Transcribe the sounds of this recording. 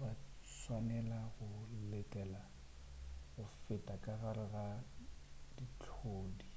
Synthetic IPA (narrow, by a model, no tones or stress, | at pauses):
ba | swanɛlaɣʊletʼɛːla | ɣʊfɪtʼakʼaɣaɾɪɣa | dit͡ɬʰoːdi